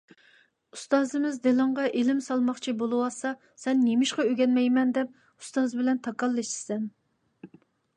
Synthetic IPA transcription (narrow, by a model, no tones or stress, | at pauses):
u̥st̪ɑːzɨmɪzd̪elˠɨɴʁɑʔelɪmsɑlˠmɑχt͡ʃʰibolˠɨwɑsɑ | sɛnːemɪʃqɑøɡʲɛnmɛjmɛnd̪ɛp̚ | u̥st̪ɑzɨbɪlɛnt̪ʰɑkɑlˠːɛʃsɛn